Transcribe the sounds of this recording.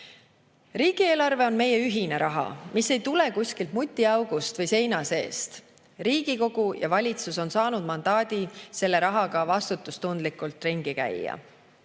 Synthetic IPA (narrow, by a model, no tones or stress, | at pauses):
riːɡ̥ie̞ːlɑrve̞o̞nme̞je̞yɦine̞ɾʔɑɦɑ̰mise̞jt̪ule̞kusʲkilt̪mut̪ʲːˑiɑwɡ̥ust̪vɤjse̞jnɑse̞̰ːst̪ | riːɡ̥iko̞ɡ̥ujɑ̰vɑlʲit̪suso̞nsɑːnud̪̥mɑnd̪̥ɑːd̪ise̞lːe̞ɾɑɦɑɡɑvɑst̪ut̪ːˑust̪und̪likˑult̪ːˑriŋɡ̥ikæ̰jːɑ̰